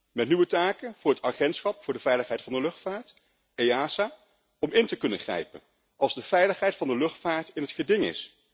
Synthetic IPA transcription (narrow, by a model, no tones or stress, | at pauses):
mɛtnyʋətaːkənv̥ʊːɹɦətaχɛntsχɑpfʊːɹdəvɛjləχɦɛjtfɑndəlɵχtfaːɹt | ejaːsaː | ɔmɪntəkɵnəχrɛ̰jpən | ʔɑlˠzdəv̥ɛjləχɦɛjtfɑndəlɵχtfaːɹtɪnɦətχədɪŋɪ̰s